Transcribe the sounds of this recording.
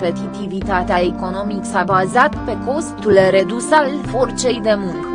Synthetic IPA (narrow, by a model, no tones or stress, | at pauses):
pe̞t̪it̪ivit̪at̪eaeko̞no̞miksabazat̪pe̞ko̞st̪ulre̞d̪usalfo̞rt͡ʃe̞jd̪e̞muŋkə